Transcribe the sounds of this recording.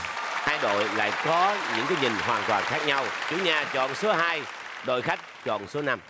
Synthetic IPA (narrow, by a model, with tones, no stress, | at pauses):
haː˧jɗo̰˧˨jla̰ː˧˨jkɔ˨˦ɲɨ̰˧˥ŋkaː˨˦jɲï˨˩ŋ̟hwaː˨˩nt̪waː˨˩nxaː˦˥k̚ɲa˧wt͡ɕu˨˦ɲaː˧t͡ɕɔ̰˧˨nsu˨˦ɦaː˧jɗo̰˧˨jxa˦˥jk̟̚t͡ɕɔ̰˧˨nsu˨˦na˧m